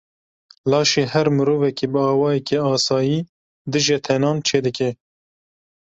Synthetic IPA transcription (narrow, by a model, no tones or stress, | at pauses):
lɑːʃeːhɛɾmɨɾoːvɛkeːbɨɑːwɑːjɛkeɑːsɑːjiː | d̪ɨʒet̪ʰɛnɑːnt͡ʃʰeːd̪ɨkɛ